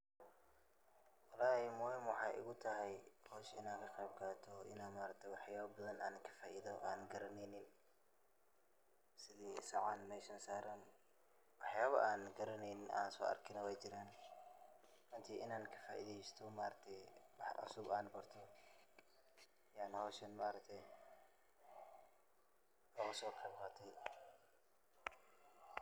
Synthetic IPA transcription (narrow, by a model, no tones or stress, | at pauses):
wɐlaːhɪmɔːhɪmwɑħɑːjʔɪ̰ɣʊt̪ʰɐɦɛjhɔːʃɪ̰naːŋkʰɐqɛːb̚kʰaːt̪ʰɔʔɪ̰naːmaːɾɐt̪ʰɛwɑħjaːβɐbɐðɐnʔaːnkʰɐ̥faːʔiːðɔʔaːnɡɐɾɐnɛjnɪn | sɪðiːsɐʕanmɛːsɐːnsaːɾɐn | wɑħjaːβɐ̰ʔaːnɡɐɾɐnɛjnɪnʔa̰ːnsɔ̰ːɐ̰rkʰɪnɐwɛjt͡ʃɪɾaːn | ʔɨnt̪ʰiʔɨnankʰɐ̥fajd̪ijɪst̪ʰomaɾɐt̪ʰebaʕa̰subanbɐɾt̪ʰo | janawoʃɐnmaɾɐt̪ʰe | ɐxsokʰɐβxat̪ʰɐj